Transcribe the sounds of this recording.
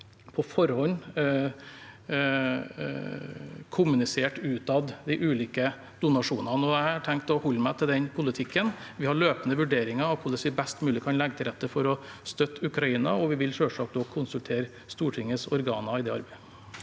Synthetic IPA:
pʰɔfɔɾhɔnː | kʰʊmʉnɪseːʈʉːt̪ɑʋd̪æɪʔʉːliːkə | d̪̥ʊnɑʂuːnɑnəɔæhɑʈʰɛŋkt̪ɔhɔlːmæɪt̪ʰɪld̪ɛnpʰʊlɪt̪ʰɪkːən | ʋɪhɑɭøːpənəʋʉɖeːɾɪŋɑɑʋkʰʊlɛsʋɪbɛst̪mʉːlɪkʰɑnlɛɡət̪ʰɪlɾɛt̪ːəfɔɾɔst̪œt̪ːʉkɾɑiːnɑ̰ɔʋɪʋɪlʃøːʂɑk̚d̪ɔkʰʊnsʉlt̪ʰeːɾ | st̪uːʈʰɪŋːəsɔɾɡɑ̰ːnɑɪd̪ɛːɑɾbe

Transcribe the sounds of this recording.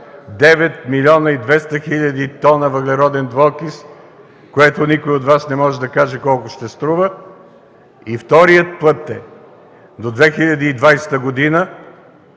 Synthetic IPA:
d̪ɛvɛt̪milʲɔnəid̪vɛst̪əxilʲɐd̪it̪ɔnəvəɡlʲɛɾɔd̪ɛnd̪volˠkis | koɛt̪onikoiot̪vasnɛmɔʒɛd̪ɐkaʒɛkɔlˠkʊʃt̪ɛst̪ɾuvə | ift̪ɔɾijət̪̚pɤt̪ːɛ | d̪od̪vɛxilʲɐd̪iːd̪vajsɛ̥t̪əɡod̪inə

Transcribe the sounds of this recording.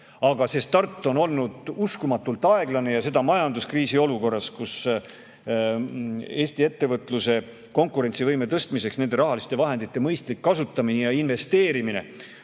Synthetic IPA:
ɑɡ̥ɑse̞st̪ɑrt̪ˑːo̞no̞lnud̪̥uskumɑt̪ːˑult̪ːˑɑe̞ɡ̥lɑne̞jɑse̞d̪̥ɑmɑjɑnd̪uskriːsio̞luko̞rːɑskus | e̞ːst̪ie̞t̪ːe̞vɤt̪ːˑluse̞ | ko̞ŋkˑuɾe̞nʲt̪sivɤjme̞t̪ɤst̪mise̞ksnend̪e̞ɾɑɦɑlist̪e̞vɑɦe̞nd̪̥it̪ːˑe̞mɤjst̪likːɑsut̪ːɑminejɑinve̞st̪e̞ːɾimine̞̰

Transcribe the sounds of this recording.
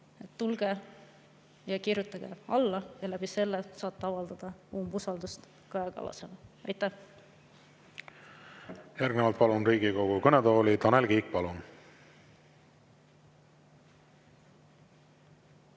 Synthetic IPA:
et̪ːulɡ̥e | jɑkirjut̪ːˑɑɡ̥ḛɑlːɑjɑlæb̥ise̞lːesɑːt̪ːeɑvɑld̪̥ɑd̪̥ɑuːmbusɑld̪ust̪ | kɑekɑ̰lɑ̰senɑɑjt̪ːˑæh | jæɾɡnevɑlt̪̚pɑlunriːɡikoɡ̥ukɤned̪o̞ːlit̪ɑnelɡiːk̚pɑlun

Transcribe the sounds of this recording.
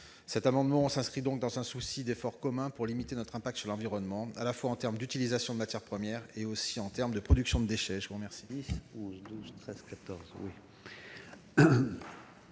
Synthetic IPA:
sɛt̪amɑ̃d̪mɑ̃sɛ̃skχid̪ɔ̃k̚d̪ɑ̃zɛ̃susid̪efɔʁkɔmɛ̃puʁlimit̪enɔt̪χɛ̃pak̚t̪syʁlɑ̃viʁɔnmɑ̃alafwaɑ̃t̪ɛʁmd̪yt̪ilizasjɔ̃d̪əmat̪jɛʁpχəmjɛʁeosiɑ̃t̪ɛʁməd̪əpχɔd̪yksjɔ̃d̪əd̪eʃɛʒəvuʁəmɛʁsid̪isɔ̃zd̪uzt̪χɛzkʲat̪ɔʁzwi

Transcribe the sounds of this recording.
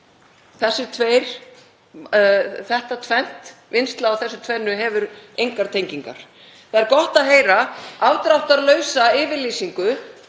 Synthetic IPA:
θɛsːɪt̪ʰveːjɾ̥ | θɛht̪at̪ʰvɛn̥t̪vɪnst̪laːwθɛsːʏ̥t̪ʰvɛnːʏɦɛvʏɾejŋkaɾ̥t̪ʰejɲciŋka̰ɾ̥ | θaðɛɾkɔht̪aðɦeːjɾaawt̪ɾawht̪aðlœːɥsaɪːvɪɾlisiŋkʏ

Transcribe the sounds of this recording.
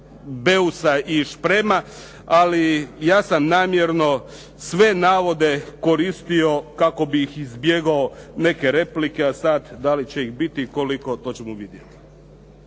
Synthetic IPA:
beusaʔiʃpɾema | alijaːsamnaːmjeɾno̞ | sʋe̞naːʋo̞d̪e̞ko̞ɾiːst̪io̞kako̞bixizbjeɡaone̞ke̞ɾe̞plikeasad̪d̪alit͡ɕe̞ixbit̪iko̞liko̞t̪o̞ːt͡ɕe̞muʋid̪jet̪i̥

